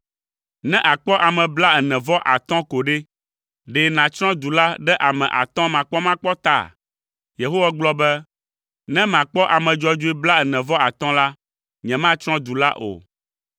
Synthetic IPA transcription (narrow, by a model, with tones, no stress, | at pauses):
nɛ̃˦ʔa˨k͡pɔ˦ʔa˨mɛ̃˨bla˦ɛ˨nɛ̃˨vɔ˦ʔa̰˨t̪ɔ̃˦ko˨ɖe˦ | ɖe˨nã˨t͡ʃɾ̃ɔ̃˦d̪u˨la˦ɖɛ˦ʔa˨mɛ̰̃˨ʔa̰˨t̪ɔ̃˦mã˨k͡pɔ˦mã˦k͡pɔ˦t̪a̰˦˨ | je˨ɦo˦wa˦ɡ͡blɔ˦bɛ˦ | nɛ̃˦mã˨k͡pɔ˦ʔa˨mɛ̃˨d͡ʒɔ˦d͡ʒo˦i˦bla˦ɛ˨nɛ̃˨vɔ˦a˨t̪ɔ̃˦la˦ | ɲɛ̃˨mã˦t͡ʃɾ̃ɔ̃˦d̪u˨la̰˦ʔo̰˨